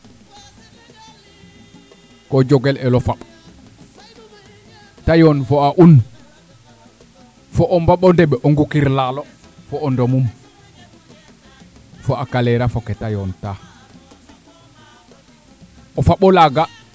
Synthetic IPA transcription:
kɔd͡ʒɔɡɛlɛlɔfaɓ | tajɔnfɔaʔun | fɔʔɔmbaɓɔndɛɓɛʔɔŋɡukiɾlalɔ | fɔːndɔmum | fɔakalɛɾafɔkɛtajɔnta | ɔfaɓɔlaɡa

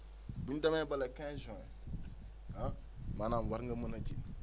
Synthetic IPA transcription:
bundamabalakãzɔ̃ɛ | a | manamwaɾŋɡamanad͡ʒi

